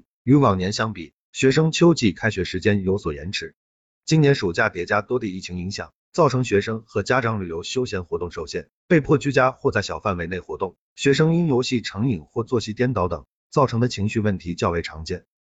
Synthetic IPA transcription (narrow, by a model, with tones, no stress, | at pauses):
y˧˥wɑ˨˩ŋnjɛ˧˥nɕjɑ˥ŋpi˨˩˦ | ɕɥɛ˧˥ʂɤ˥ŋt͡ɕʰjo˥ʊt͡ɕi˥˩kʰa˥ɪɕɥɛ˧˥ʂɻ̩˧˥t͡ɕjɛ˥njo˧˥ʊswɔ˨˩jɛ̰˧˥nʈ͡ʂʰɻ̩˧˥ | t͡ɕi˥njɛ˧˥nʂu˨˩t͡ɕja˥˩t̪jɛ˧˥t͡ɕja˥t̪wɔ˥t̪i˥˧i˥˩t͡ɕʰi˧˥ŋi˧˥ŋɕjɑ̰˨˩ŋ | t͡sɑ˥˩ʊʈ͡ʂʰɤ˧˥ŋɕɥɛ˧˥ʂɤ˥ŋxɤ˧˥t͡ɕja˥ʈ͡ʂɑ˧˥ŋly˨˩jo˧˥ʊɕjo˥ʊɕjɛ˧˥nxwɔ˧˥t̪ʊ˥˧ŋʂo˥˧ʊɕjɛ˥˩npe˥˧ɪpʰwɔ˥˩t͡ɕy˥t͡ɕja˥xwɔ˥˧t͡sa˥˩ɪɕjɑ˨˩fa˥˩nwe˧˥ɪne˥˩ɪxwɔ˧˥t̪ʊ˥˩ŋ | ɕɥɛ˧˥ʂ̬ɤ˥ŋi˥njo˧˥ʊɕi˥˩ʈ͡ʂʰɤ˧˥ŋi˨˩ŋxwɔ˥˩t͡swɔ˥˩ɕi˧˥t̪jɛ˥nt̪ɑ˧˥ʊt̪ɤ˨˩˦ŋ | t͡sɑ˥˩ʊʈ͡ʂʰɤ˧˥ŋd̪ə˧t͡ɕʰi˧˥ŋɕy˥˧wə˥˩nt̪ʰi˧˥t͡ɕjɑ˥˧ʊwe˧˩ɪʈ͡ʂʰɑ˧˥ŋt͡ɕjɛ˥˩n